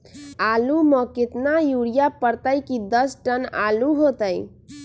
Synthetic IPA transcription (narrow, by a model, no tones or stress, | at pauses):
alumə̃kɪt̪najuɽijapəɾt̪əjkid̪əsʈəna̰luɦot̪əj